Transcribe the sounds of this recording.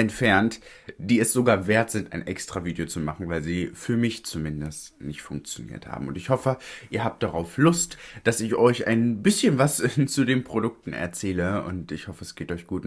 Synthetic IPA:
ʔɛntfɛɐnt | d̥iːɛsz̥oɡaːɐveːɐtz̥ɪntʔa̰ɪnʔɛkstʁ̥aviːdijot͡sumaχn̩vaɪlziːfyːɐmɪçt͡sumɪndəstnɪçtfʊŋk̚t͡sjonḭːɐtha̰ːbm̩ʊntɪçhɔfəʔiːɐɦaːp̚t̚d̥aʁaʊflʊstd̥asɪçɔʏçʔa̰ɪnbɪsçənvast͡sudeːnpʁ̥odʊk̚tn̩ɛ̰ɐt͡sɛːləʊ̰ntɪçhɔfəɛsɡ̥eːtɔʏçɡ̥uːt

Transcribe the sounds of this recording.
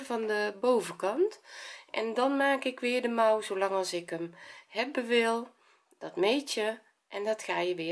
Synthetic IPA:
vɔndəbowvəkɑntʔɛ̰ndɔnmaːkɪkʋɪːrdəmawzolɑŋɑlˠsɪkəmhɛbəʋɪlˠ | d̥ɔtmeːtjə | ʔɛndɔtxaːjəʋɪ

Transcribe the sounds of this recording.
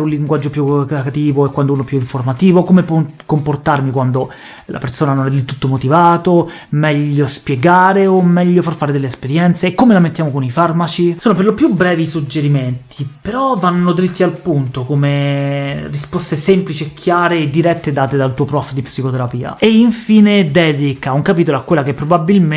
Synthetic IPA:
ɾũnliŋɡwad͡ʒːopjukakat̪iːvoekːwand̪ounopjuiɱformat̪iːvokomepwɔkːomport̪armikwand̪o | la̰persoːnanonɛd̪elt̪ut̪ːomot̪ivaːt̪o | mɛʎːospjeɡaːɾeomːɛʎːofarfaːɾed̪elːeːspeɾjɛnt̪seːkːomelament̪ːjaːmokonifarmat͡ʃisoːnoperlopjubɾɛːvisud͡ʒːeɾiment̪ʰipeɾɔvːanːod̪ɾit̪ːialpunt̪okome | rispɔst̪esemplit͡ʃiekʰːjaːɾed̪ːiɾɛt̪ːed̪aːt̪ed̪alt̪uːopɾɔfd̪ipsikot̪eɾapiːa̰eiɱfiːned̪ɛːd̪ikauŋkapiːt̪oloakːwelːakepːɾobabːilm

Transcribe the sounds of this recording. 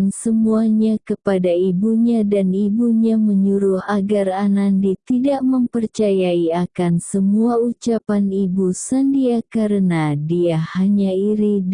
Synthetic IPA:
nsəmuaɲakəpadaibuɲadanibuɲaməɲuɾuhaɡaranandit̪idaʔməmpərt͡ʃajaiakansəmuaut͡ʃapanibusandiakaɾənadiahaɲaiɾid

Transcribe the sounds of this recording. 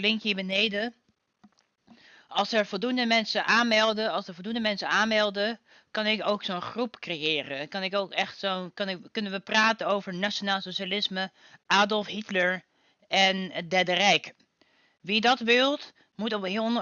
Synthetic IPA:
lɪŋkibənejdə | ʔɑlˠsɛɹvɔlˠdundəmɛnsəʔaːnmɛlˠdəɑlˠsəɹvɔlˠdundəmɛnsənaːnmɛlˠdə | kɑnɪkowksonχrupkrejɪːrəkɑnɪkowkɛχtsonkɑnɪkɵnənʋəpraːtənowvəɹnaonaːlˠsoʃalɪsmə | ʔaːdɔlˠfɦitləɹ | ɛndɛdərɛjk | ʋidɑtʋɪlˠt | mutɔpɦɪ

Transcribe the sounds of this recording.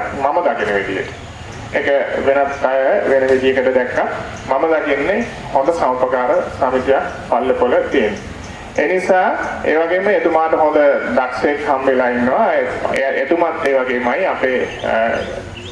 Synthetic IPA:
maməd̪akinəʋed̪ijə̰ʈə̥ | ekəʋenət̪ajəʋenəʋid̪ijəkəʈəd̪ɛkːat̪ | maməd̪akinːe | hõnd̪əsaupəkaːɾəsamit̪ja | palːəpolət̪ienːe | eːnisaːeːʋaɡeːməet̪umaːʈəɦõnd̪əd̪aksekhambelaːinːəʋaeet̪umat̪ːeːʋaɡeːmajapeː

